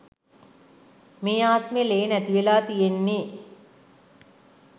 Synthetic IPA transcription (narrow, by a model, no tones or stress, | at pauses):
meːaːt̪meleːnæt̪iʋelaːt̪ijenːeː